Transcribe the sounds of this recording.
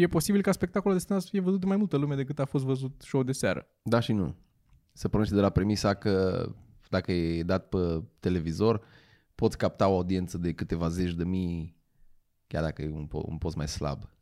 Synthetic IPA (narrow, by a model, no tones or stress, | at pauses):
je̞po̞sibilkaspe̞k̚t̪akolud̪est̪inasə̥fijevəzut̪̚d̪emajmult̪əlume̞d̪e̞kɨt̪afo̞s̬t̪vəzut̪ʃowd̪e̞seaɾə̰ | d̪aʃinṵ | səpɾoneʃt̪d̪elapɾe̞misakə | d̪akəjed̪at̪̚pət̪e̞le̞vizo̞r | pot̪sʲkap̚t̪ao̞aud̪ie̞nt̪səd̪e̞kɨt̪e̞vaze̞t͡ʃʲd̪e̞mi | kʲja̰rd̪akəjeṵnpo̰ṵnpo̞sma̰jsla̰b